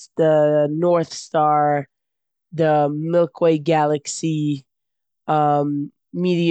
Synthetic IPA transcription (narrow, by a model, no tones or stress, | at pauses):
ðənɔɹθstɑɹ | ðəmɪlˠkʰweɪɡælˠɨksi | ʌ̃mː | iɾi